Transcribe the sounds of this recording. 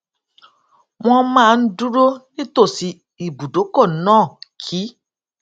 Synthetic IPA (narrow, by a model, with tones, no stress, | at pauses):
w̃ɔ̃˧mãː˦˨n̩˦du˦ɾo˦nĩ˦to˦˨si˨˦ | i˨bu˨do˨˦kɔ˦˨˦nãː˦˨kʰi˨˦